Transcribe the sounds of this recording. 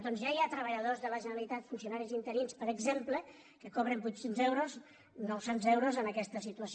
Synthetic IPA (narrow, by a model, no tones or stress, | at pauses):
d̪ɔnzʒaiat̪ɾəβ̞əʎəðozðələʒənəɾəlit̪at̪funsionaɾizint̪əɾinspəɾəɡzemplə | kəkɔβɾəmbut̪senzewɾoz | nowsenzewɾozənəkɛst̪əsit̪uəs